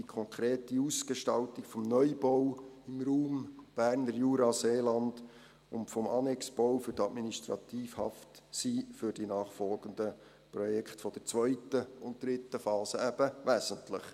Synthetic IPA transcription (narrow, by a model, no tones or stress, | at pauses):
ikʰɔŋkʰɾeːtiusɡ̥eʃtɑltikfɔmnœʏb̥ɔwɪmɾuːmb̥æːɾnəɾjuːɾɑseːlɑnd̥ | ʊ̰ntfɔmɑ̰nɛksb̥ɔwfʏɾtɑtminiʃt̪ɾɑ̰t̪iːfhɑ̰ftsiːfʏɾd̥inɑːχfɔlɡənd̪ə | pɾrɔjɛkχtfɔd̥əɾt͡sʋœʏtəʊnt̚d̥ɾɪtːəfɑːsəæb̥əʋæzəntlə̰χ